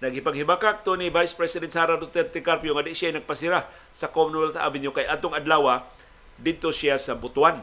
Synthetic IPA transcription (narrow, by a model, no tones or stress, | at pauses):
nɐɡhɪpaɡhibakaʔk̚t̪onivajspɾɛsɪd̪ɛ̃nt̪saɾad̪ot̪ɛɾt̪ɛkaɾpjoŋad̪ɪʔsjajnɐɡ̚pasɪɾa | sakomnɛlt̪a̰vɪnjokajʔaːt̪oŋad̪laːwa | d̪ɪd̪̚t̪osiasabʊt̪wan